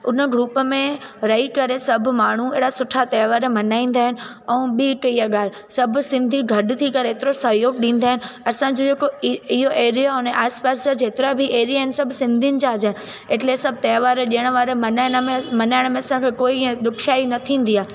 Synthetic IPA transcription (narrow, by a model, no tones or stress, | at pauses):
ʊnəɡɾuːpəmẽɾɐikɐɾesɐb̆ʱmaːɳ̤uḛːɽasʊʈʰat̪ɛːʋaːɾmɐnaːĩːnd̪aːɦɪnɪ̆ | ɛ̃ũːɓikijaɠaːl | sɐbʱsɪ̃nd̪ʱiɡʱɐɖt̪ʰikɐɾeeːt̪ɪɾosɐjoːɡ̚ɗĩːn̆d̪aːɦɪnɪ̆ɐsãd͡ʑod͡ʑeːkoɪɦoʔeːɾijaɦʊneʔaːɾspaːɾsəd͡ʑeːt̪ɪɾabʱiʔeːɾijaːɦɪnɪsɐbʱsɪ̃nd̪ʱinɪ̆t͡ɕaːɾd͡ʑaɦnɪ̆ | eʈlesɐb̚ʱt̪ɛːʋaːɾʄijəɽ̃ʋaːɾemɐnaːɪɽ̃əmẽmɐnaːɪɽ̃mẽɐsãkʰeːkoːĩd̪ʊkʰijaːinɐt̪ʰĩːnd̪iaː